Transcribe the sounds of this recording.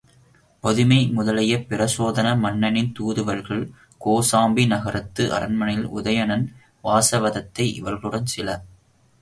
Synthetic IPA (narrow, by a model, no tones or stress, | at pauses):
pɔðɯmɐɪmʊðɐlɐjɐpɪɾɐsoːðɐnɐmɐnːɐnɪnt̪uːðɯʋɐɾɣɐɭ | koːsaːmbinɐɣɐɾɐt̪ːɯʔɐ̰ɾɐ̰nmɐnɐjɪlʊ̰ðɐjɐnɐn | ʋaːsɐʋɐðɐt̪ːɐɪʔɪ̰ʋɐɾɣɐɭɯɽɐnsɪlɐ